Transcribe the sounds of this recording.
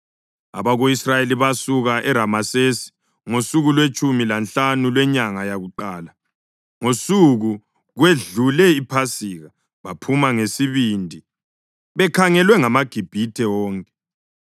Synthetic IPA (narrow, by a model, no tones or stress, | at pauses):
a̰βaɣoisrajeliβasuɣaʔɛɾamasesi̥ | ŋosuɣulwet͡ʃʼumilanɬanulwɛɲaŋajaɣuǃaːla | ŋosuɣu | ɣweɮulɛipʰasiːɣa | βapʰumaŋesiβindʱi | βɛkʰaŋɛlwɛŋamaɡ̥ʱib̥ʱitʰɛwɔːŋkʼɛ̥